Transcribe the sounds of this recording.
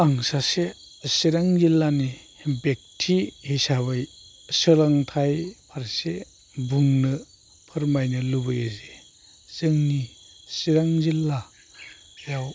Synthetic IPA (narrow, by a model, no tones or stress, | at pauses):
aŋsase | siɾaŋzilːani | bek̚tʰihisaβaj | sɯlaŋtʰajpʰaɾse | buŋnɯ | pʰɯɾmajnɯlubɯjeze | zɯŋni | siɾaŋzilːa | jaw